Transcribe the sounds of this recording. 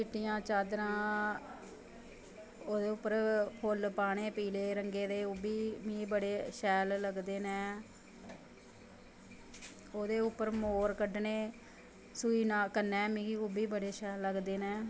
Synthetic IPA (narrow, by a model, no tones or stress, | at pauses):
t͡ʃɪʈːɪjãːt͡ʃaːd̪ɾãː | oːd̪eːʊpːəɾpʰolpaːɳeːpiːleːɾəŋɡeːd̪eːʊbiːmĩːbəɽeːʃɛːlləɡd̪eːnɛ̃ː | oːd̪eːʊpːəɾmoːɾkəɖneː | suiːnaːkənːɛ̃ːmĩːiubiːbəɽeːʃɛːlːəɡd̪eːnɛ̃ː